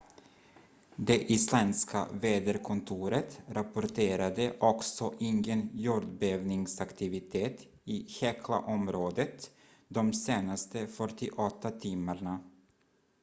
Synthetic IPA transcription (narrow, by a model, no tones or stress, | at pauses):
d̪ɛʔɪslɛnska̰veːd̪əɾkʰʊnt̪ʰuːɾət̪ɾapʊɾʈʰeːɾad̪əʔɔksɔʔɪŋɡənjuːɖɖ̪bøːvnɪŋsakt̪ʰɪvɪt̪ʰeːt̪ | ɪçɛkʰla̰ʔɔmɾoːd̪ət̪ | d̪ɔmseːnast̪əfœʈɪʔɔt̪ːat̪ʰɪmːaɳa